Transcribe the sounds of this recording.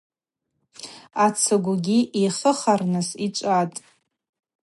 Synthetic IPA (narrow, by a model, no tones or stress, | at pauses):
at͡sʰaɡʷaɡʲiʔeχəχarnɨsit͡ʃʷʼatʼ